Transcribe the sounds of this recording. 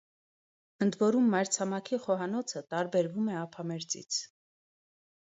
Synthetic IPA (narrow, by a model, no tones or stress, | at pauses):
ənd̪vɔɾumːɑjɾt͡sʰɑmɑkʰiχɔɦɑnɔt͡sʰət̪ɑɾbɛɾvumɛɑpʰɑmɛɾt͡sḭt͡sʰ